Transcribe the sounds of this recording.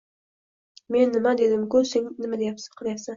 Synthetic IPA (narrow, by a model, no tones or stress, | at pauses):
me̞nːɪmad̪e̞d̪ɪmkʊseŋnɪmad̪ejapsɪ̥qʰɨlˠjapsan